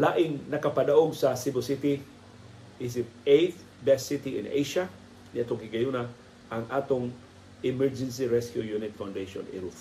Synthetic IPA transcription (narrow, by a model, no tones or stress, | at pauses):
laːʔɪŋnɐkɐpɐd̪ɐʔoɡsɐsibosit̪i | ʔɪs̬ɪp̚ʔejt | bɛsit̪iɪ̰nḛjʃa | nɪʔat̪oŋkɪɡɐjuna | ʔɐŋʔaːt̪oŋ | ɪmɛɹd͡ʒɛns̬iɹɛskjujunɪt̪fawnd̪ejʃo̰nɪ̰ɾuf